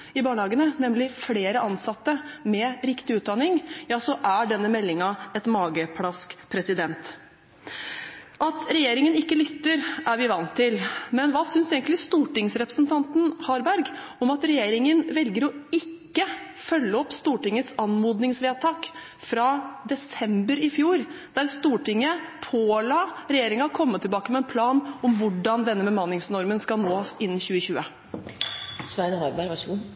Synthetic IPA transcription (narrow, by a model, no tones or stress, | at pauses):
ɪbɑːɳəhɑːɡənənɛmlɪfleːɾəʔɑnsɑt̪ːəmɛɾɪkt̪ɪʉːt̪̚d̪ɑnɪŋjɑːsɔʔæɖɛnːəmɛlːɪŋɑɛt̪mɑːɡəpʰlɑskpʰɾɛsɪd̪ɛnt̪ | ʔɑt̪ʰɾɛjeːɾɪŋənɪkːəlʏt̪ːəɾæɾʋɪʋɑnt̪ʰːɪlmɛnʋɑːsʏnseːɡəŋlɪst̪uːʈɪŋsɾɛpɾəsnt̪ʰɑnt̪n̩hɑːɾbæɾɡ | ɔmɑt̪ɾɛjeːɾɪŋənʋɛlɡəɾɔɪkːə | fœlːəɔpːst̪uːʈɪŋːət̪sɑnmuːd̪nɪŋsʋeːt̪ʰɑːk | fɾɑd̪ɛsɛmbəɾɪfjuːɾd̪̥æɾst̪uːʈɪŋːəpʰoːlɑːɾɛjeːɾɪŋɑkʰɔmːət̪ʰːɪlbɑːkəmɛɛnpʰlɑːnɔmʋʊɖɑnd̪ɛnːəbəmɑnːɪŋsnɔɾmənskɑlnoːɪnːçʉːəçʉːə | sʋæɾəhɑɾbæɾʋɑʂɡu